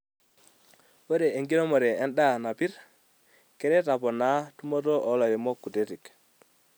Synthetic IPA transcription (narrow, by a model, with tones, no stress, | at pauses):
wo˦ɾe˨e˨ŋɡi˦no˦mo˨ɾe˨e˦nɗa˦˨na˨pi˦ɾ | ke˦ɾe˦ta˨po˨na˨˦tu˦mo˦to˦ʔo˨˦lo˨ji˨mo˦kːu˨te˦ti˨k